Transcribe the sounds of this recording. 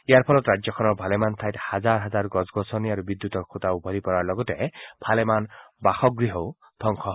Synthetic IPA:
iaɾpʰɔlɔt̪ɾad͡ʒjɔkʰɔnɔbʱalemant̪ʰajt̪had͡ʒaɾɦad͡ʒaɾɡɔd͡ʒɡɔsɔniaɾubid̪jut̪ɔkʰut̪aubʱɔlipɔɾaɾlɔɡɔt̪eeb̥ʱʰalemanbaxɔɡɾiɦɔw | d̪̥ʰʱɔŋkʰɔ

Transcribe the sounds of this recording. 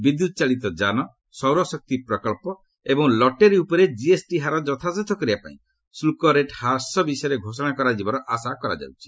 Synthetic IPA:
bid̪jut̪̚ɔt͡ʃaɭit̪ɔd͡ʒanɔ | sɔwɾɔsɔk̚t̪ipɾɔkɔɭpɔ | ebɔŋlɔʈeɾiupɔɾed͡ʒiesʈiɦaɾɔd͡ʒɔt̪ʰaset̪ʰɔkɔɾibapa̰ḭ̃ | sulkɔɾeʈhaɾsɔbisɔjɔɾeɡʱosɔɽ̃akɔɾad͡ʒibɔɾɔʔasakɔɾa̰d͡ʒa̰wt͡ʃʰi̥

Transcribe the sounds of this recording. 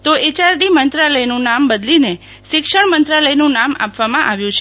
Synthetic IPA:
t̪oet͡ʃaɾɖimənt̪ɾaləjnũnambəd̪line | ʃɪkʂəɳmənt̪ɾaləjnũnama̰pʋamãʔaʋjũt͡ʃʰe

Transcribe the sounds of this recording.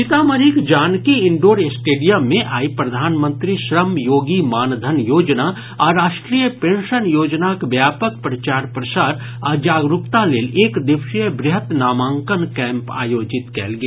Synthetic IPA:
ʃɪt̪aːməɾikd͡ʒaːnkiɪ̃ɳɖoːɾesʈeːɖijəmːẽʔaːipɾɐd̪ʱaːnmə̃nt̪ɾiʃɾəmjoːɡimaːnd̪ʱənjoːd͡ʒna | ɔːɾːaːʃʈɾiːjəpẽːnʃənjoːd͡ʒnakʋjaːpək̚pɾɐt͡ʃaːɾpɾɐsaːɾ | aːd͡ʒaːɡɾʊpt̪aleːleːkd̪ɪʋʃijəbɾɪɦət̪naːmãːŋkənkɛ̃ːmpa̰ːjoːd͡ʒɪt̪kɛ̰ːlɡeː

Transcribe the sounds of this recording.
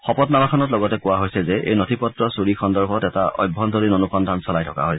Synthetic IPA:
xɔpɔtnamakʰɔnɔt̬lɔɡɔtɛkʊwaɦojsɛzɛʔḛjnotʰipɔtɹɔsuɹixʰɔndɔɹbʱɔtɛta̰ʔɔ̰jbʱːɔndoɹinonuxɔndʱansɔlajtʰɔka̰ɦojsɛ

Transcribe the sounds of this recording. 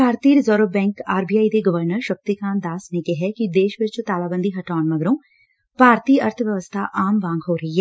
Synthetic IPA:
kʰaːɾt̪iːɾzɔːɾəbɛ̃ːŋkaːɾbijaːid̪eːɡəʋəɾnəɾʃək̚t̪ikãːnd̪aːsnekeɦɛːkid̪eːʃʋɪt͡ʃt̪aːlaːbənd̪iːɦɐʈaːnməɡɾõː | paːɾt̪iːəɾt̪ʰʋjəʋəst̪ʰaːʔaːmʋãːŋɡɦoːɾɐɦiɦɛː

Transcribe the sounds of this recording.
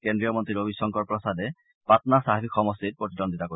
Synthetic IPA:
kendɹijɔmɔntɹiɾobisɔŋkɔɹpɹɔsadɛ | patnasaɦipʰikxɔmɔstit̚pɹot̪idɔndʱitako

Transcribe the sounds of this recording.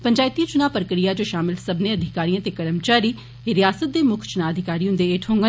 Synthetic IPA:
pəɲd͡ʒaːɪt̪it͡ʃʊnaːpəɾəkɾijaːd͡ʒoːʃaːmɪlsəbneːəd̪ʱɪkaːɾijãːt̪eːkəɾəmt͡ʃaːɾiː | ɾɪjaːsət̪̚d̪eːmʊkʰt͡ʃʊnaːəd̪ʱɪkaːɾiːõnd̪eːeːʈʰɦõːŋɡə

